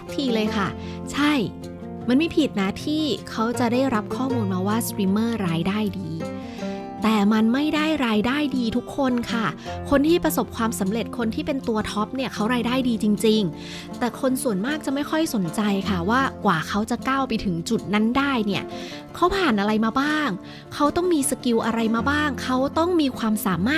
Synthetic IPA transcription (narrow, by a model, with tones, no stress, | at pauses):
a˦˥k̚t̪ʰiː˧lɤː˧jkʰa˥˩ | t͡ɕʰa˥˩j | ma˧nmiː˧˥˩pʰiː˨˩t̪̚na˦˥t̪ʰiː˥˩kʰa˦˥wt͡ɕa˨˩daː˥˩jɾa˦˥p̚kʰɔː˥˩muː˧nmaː˧waː˥˩sɾiː˧mːɤː˥˩ɾaː˧jdaː˥˩jdiː˧ | t̪ɛː˨˩ma˧nma˥˩jda˥˩jɾaː˧jdaː˥˩jdiː˧t̪ʰu˦˥kʰːo˧nkʰa˥˩kʰo˧nt̪ʰiː˥˩pɾa˧so˨˩p̚kʰwaː˧msa˩˦mɾe˨˩t̪̚kʰo˧nt̪ʰiː˥˩pe˧nt̪u˧ɐt̪ʰɔ˦˥p̚ni˥˩ɐkʰa˦˥wɾaː˧jdaː˥˩jdiː˧t͡ɕi˧ŋt͡ɕi˧ŋ | t̪ɛː˨˩kʰo˧nsu˨˩ənmaː˥˩k̚t͡ɕa˨˩ma˥˩jkʰɔ˥˩jso˩˦nt͡ɕa˧jkʰa˥˩waː˥˩kwaː˨˩kʰa˦˥wt͡ɕa˨˩kaː˥˩wpa˧jt̪ʰɯ˩˦ŋt͡ɕu˨˩t̪̚na˦˥ndaː˥˩jni˥˩ɐ | kʰa˦˥wpʰaː˨˩nʔa˧ɾa˧jmaː˧baː˥˩ŋ | kʰa˦˥wt̪ɔ˥˩ŋmiː˧sa˧ki˧wʔa˧ɾa˧jmaː˧baː˥˩ŋkʰa˦˥wt̪ɔ˥˩ŋmiː˧kʰwaː˧msaː˨˩˦maː˥˩